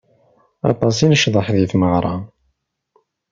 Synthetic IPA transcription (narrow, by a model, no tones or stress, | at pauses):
ɑ̰t̪ˤɑs̬inəʃðˤəħðiθməʁɾˤɑ